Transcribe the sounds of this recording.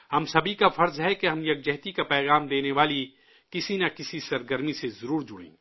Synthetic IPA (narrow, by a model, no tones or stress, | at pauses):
hɐmsɐbʱikafɐɾzɦɛkeɦɐmjɐk̚d͡ʒɛɦt̪ikapɛːɣaːmd̪eːneʋaːli | kɪsinakɪsisɐɾɡəɾmisezɐɾuːɾd͡ʒʊɽḛ̃ːɡ